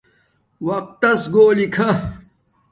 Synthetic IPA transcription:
wɐq̚t̪ːɐsɡoːlikʰɐ

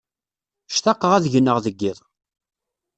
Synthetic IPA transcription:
ʃt̪ɑqːəʁæðʝənːəʁðəɡːɪðˤ

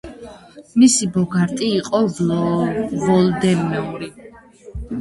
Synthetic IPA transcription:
misibɔɡaɾt̪ʼiːqʼɔ | vɔld̪ɛmmɛuɾi

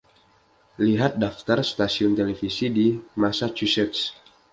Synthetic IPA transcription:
liɦat̪̚daft̪arst̪asiɔnt̪elefisidimasat͡ʃusɛt̪s

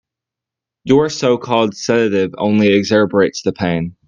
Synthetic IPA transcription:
jə˞soʊkʰɔlˠd̥sɛɾɨɾɪvõ̰ʊ̃nliɨɡzɛɹbə˞eɪtsðɨpʰẽɪ̃n

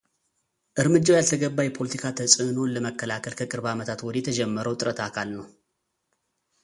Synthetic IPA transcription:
ʔɨɾmɨd͡ʒːawjalt̪ʰəɡəbːajɛpʰo̞lət̪ʰikʰat̪ʰəsʼɨno̞nləməkːəlakʰəlkʰəkʼɨɾβamət̪ʰat̪wɔd̪jɛt̪ʰəd͡ʒɛmːəɾəwt̪ʼɨɾət̪ʰakʰalnəw

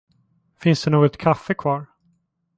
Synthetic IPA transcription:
fɪnsd̪ɛnoːɡɔt̪kʰafɛkʰvɑːɾ

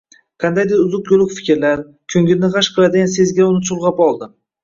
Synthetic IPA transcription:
qʰɑnd̪ajd̪eɾʊzʊqjolˠɪkʲfɪ̥kʲɪɾlaɾ | kʲʰɵŋɡʲɪlnɪʁaʃqʰɨlˠad̪ɪɡʲanse̞zɡʲaʊnɪt͡ʃʰʊlˠʁɑpɒlˠd̪ɪ

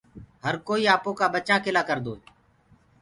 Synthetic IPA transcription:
ɦəɾkoːiːaːpõːkaːɓət͡ʃãːkɪlaːkəɾd̪oː

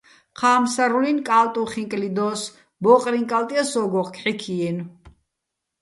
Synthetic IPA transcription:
qʰaːmsaɾulinkʼalt̪ʼuχiŋkʼlid̪ɔs | bɔːqʼɾiŋkʼalt̪ʼiasɔɡɔχkʰħikʰiɛn

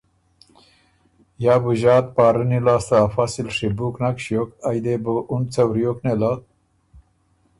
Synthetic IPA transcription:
jabuʑɑːt̪̚paːɾənilaːst̪aːfasilʂibuknakʂjokajd̪ebəʔunt͡sawɾjoknela

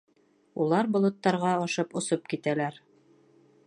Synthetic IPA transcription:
ulˠɑɾbŏlˠŏt̪ːɑɾʁɑɒʃɤpŏsop̚kit̪ælæɾ

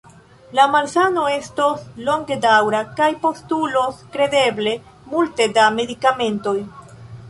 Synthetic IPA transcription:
lamaɾsano̞e̞stoslo̞ŋɡe̞dawɾakajpo̞stulo̞skɾe̞de̞ble̞ | multe̞dame̞dikame̞nto̞j

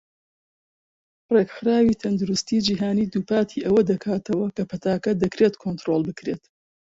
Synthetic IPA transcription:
rekxɨɾaːwiːt̪ʰɐnd̪uɾʊst̪iːd͡ʒiːɦaːniːd̪uːpaːt̪ʰiʔɐwɐd̪ɐkʰaːt̪ʰɐwɐkɐpʰɐt̪ʰaːkɐd̪ɐkɾeːt̪kʰont̪ɾolˠbɨkɾet̪

